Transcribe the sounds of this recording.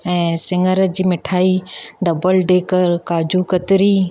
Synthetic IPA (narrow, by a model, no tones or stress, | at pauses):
ɛ̃ːsɪŋəɾə̆d͡ʑiːmɪʈʰaːiɖɐbəlɖeːkəɾkaːd͡ʑukɐt̪ɪɾiː